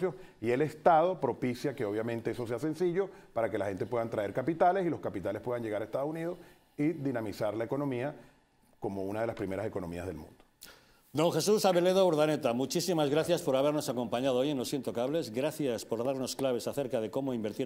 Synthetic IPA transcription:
josie̞le̞st̪að̞o̞pɾo̞pisjake̞o̞β̞jamẽnt̪eeso̞seasẽ̞nsiʝo̞paɾake̞laxe̞nt̪e̞pweðant̪ɾae̞ɾkapit̪alesilo̞skapit̪alespwe̞ðãnʝe̞ɣaɾaest̪aðouniðo | iðinamisaɾlaeko̞nõ̞mia | ko̞mounaðe̞laspɾime̞ɾase̞ko̞no̞mḭa̰zðelmṵ̃nd̪̥o̥ | d̪õ̞ŋxe̞susaβe̞le̞ðouɾðanet̪amut͡ʃisimazɣɾaθjaspo̞ɾaβ̞e̞ɾno̞sako̞mpaɲað̞oojenlo̞sint̪o̞kaβle̞zɣɾaθjaspo̞ɾðaɾno̞sklaβ̞e̞saθe̞ɾkað̞e̞ko̞moimbeɾt̪i

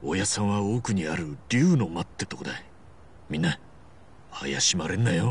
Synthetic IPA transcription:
ojasãɰ̃βao̞ːkɯ̟ɲ̟iaɾɯ̟ɾʲɯ̟ːno̞mat̪ːet̪okod̪ai | mʲĩnːa | a̰ja̰ɕimaɾẽ̞nːajo

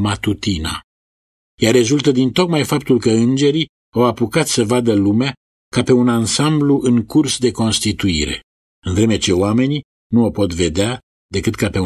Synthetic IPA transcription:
mat̪ut̪ina̰ | jare̞zult̪əd̪int̪o̞kmajfap̚t̪ulkəɨnd͡ʒe̞ɾi | awapukat̪ssəvad̪əlumea | kape̞unansambluʔɨŋkursd̪e̞ko̞nst̪it̪uḭɾe̞̰ | ɨnvɾe̞me̞t͡ʃe̞oame̞ni | nuopo̞t̪ve̞d̪ea | d̪e̞kɨt̪kape̞

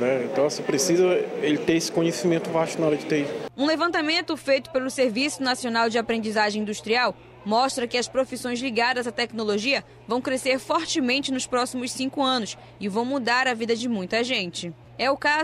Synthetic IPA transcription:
nɛẽt̪ɐ̃w̃sepɾesizɐelɪt̪eesɪ̥kõɲesimẽnt̪ʊvaʃt̪ʊnaɔɾɐd͡ʒɪt̪eiũlevɐ̃nt̪amẽnt̪ʊfejt̪ʊ̥pelʊseɾvisʊnasionawd͡ʒɪapɾẽnd͡ʒizaʒẽĩd̪uʃt̪ɾiaw | mɔʃt̪ɾɐkɪɐspɾofisõj̃zliɡad̪ɐzat̪ɛknoloʒiɐ | vɐ̃w̃kɾeseɾfɔɾt͡ʃɪmẽnt͡ʃɪnʊspɾɔsimʊssĩkʊɐ̃nʊs | ɪvɐ̃w̃mud̪aɾɐvid̪ɐd͡ʒɪmũj̃t̪ɐʒẽnt͡ʃɪ | ɛʊka

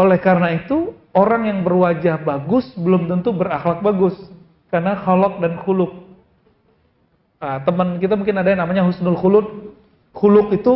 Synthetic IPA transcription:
olɛhkaɾənait̪uoɾaŋjaŋbərwad͡ʒahbaɡʊsbəlʊmt̪ənt̪ubəɾaxlak̚baɡʊs | karnahɔlɔk̚danxulʊk̚ | ət̪əmənkit̪amuŋkɪnadanamaɲaɦusnʊlxulʊt̪̚ | hulʊk̚it̪u

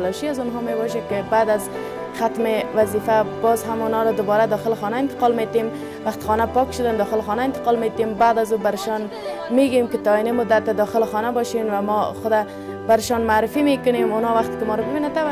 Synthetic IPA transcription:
lɔʃiazʊnɦɔmebɔʃ̬akɪbad̪az | xat̪mɪwazifabɔzɦamʊnɔɾɔd̪ʊbɔɾad̪ɒxɪlɪxɔnaɪnt̪ɪ̥qɔlmet̪em | waqt̪ɪ̥xɔnapɔkʃʊd̪and̪ɔxɪlɪxɔnaɪnt̪ɪ̥qɔlmet̪embad̪azubaɾɪʃɔn | meɡemkɪt̪ɔinemʊd̪at̪̚ːad̪ɔxɪlɪxɔnabɔʃenwamɔxʊd̪a | baɾɪʃɔnmaːɾɪfimekʊnemʊnɔwaxt̪ɪ̥kɪmɔɾɔbɪbinat̪aba

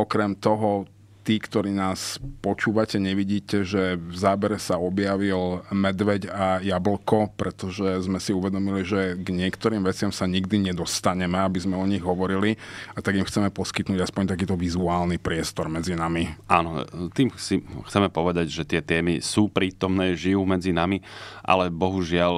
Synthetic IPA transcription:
ɔkɾɛmt̪ɔɦɔ | t̪iːkt̪ɔɾiːnaːspɔt͡ʃuːʋacɛɲɛʋiɟiːcɛʒɛvzaːbɛɾɛsaɔbjaʋilmɛd̪ʋɛɟajabl̩kɔpɾɛt̪ɔʒɛzmɛsiuʋɛd̪ɔmiliʒɛɡɲɪɛkt̪ɔɾiːmʋɛt͡sɪamsaɲiɡd̪iɲɛd̪ɔst̪aɲɛmɛabizmɛɔɲiɣɦɔʋɔɾiliat̪aɡimxt͡sɛmɛpɔskit̪nuːɟaspɔɲt̪akiːt̪ɔʋizuaːlnipɾɪɛst̪ɔɾmɛd͡zinamiʔaːnɔt̪iːmsixt͡sɛmɛpɔʋɛd̪aɟʒɛt̪ɪɛt̪ɛːmisuːpɾiːt̪ɔmnɛːʒijuːmɛd͡zinamiʔa̰lɛbɔɦuʒɪal

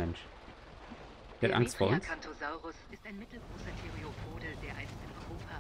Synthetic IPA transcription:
ɛnʃ | v̥eɐtʔa̰ŋstfoːɐʔʊnnskʰantʰozaʊʁʊsɪstaɪnmɪtl̩ɡʁoːsɐtʰeʁiopʰoːdədeːɐʔaɪnstɪnʔɔʏʁoːpʰa

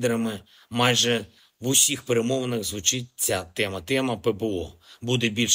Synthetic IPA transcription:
d̪eɾɐmɪ | mɑjʒɛ | ʋʊsʲixpeɾemɔʋɐnɪɣzʋʊt͡ʃɪt̚ʲt͡sʲat̪ɛmɐt̪ɛmɐpɛbeɔ̰bud̪ebʲilʲʃ

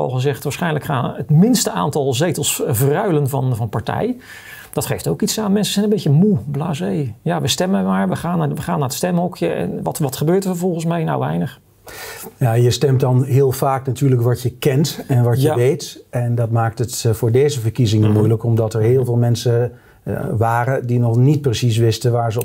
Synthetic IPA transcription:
ɑ̰lˠχəzɛχtʋaːɹsχɛjnləkχaːnətmɪnstəʔa̰ːntɑlˠzejtəlˠsvrœɥlənvɑnvɑnpaɹtɛ̰j | d̥ɑtχejftowkitsaːnmɛnsəzɛjnəmbejcəmublaːzejjaʋəstɛmənmaːɹʋəχaːnaʋəχaːnːaːɹətstɛmɦɔkʰjəʔɛ̰nʋɑtʋɑtχəbøːɹtəɹfəvɔlˠχənsmɛjna̰wʋɛ̰jnəχ | jajəstɛmt̚dɑnɦɪːlˠvaːknatyːɹləkʋɑtjəkɛntɛnʋɑəəʋejtɛndɑtmaːk̚tətvʊːɹdejzəvəɹkizɪŋəmujləkɔmdɑtɛɹɦɪːlˠvɪːlˠmɛnsə | ʋaːrədinɔχnit̚prəsis̬ʋɪstəʋaːɹzə

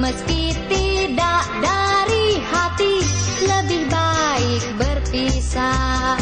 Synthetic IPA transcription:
məskit̪idaʔdaɾihat̪iləbihbaik̚bərpisa

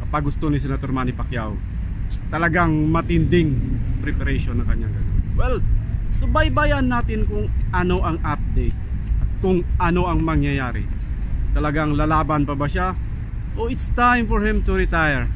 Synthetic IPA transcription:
ɐpɐɡʊst̪onis̬ɛnɐt̪oɾmaːnipɐkja̰w | t̪ɐlɐɡaŋmɐt̪ɪnd̪ɪŋpɾɛpɛɾɛʃonːɐŋkɐɲːaŋɡɐno̰nwɛlsobajbajanːaːt̪ɪnkʊŋʔɐno̞ʔɐŋʔap̚d̪ejt̪̚ʔɐt̪̚kʊŋʔɐno̞ʔɐŋmɐŋjɐjaːɾɪ̰ | t̪ɐlɐɡaŋlalaːbɐnpɐbɐʃa | ʔoʔɪt̪st̪ajmfɔɹhɪmt̪ʊɾɪt̪ajɛɹ

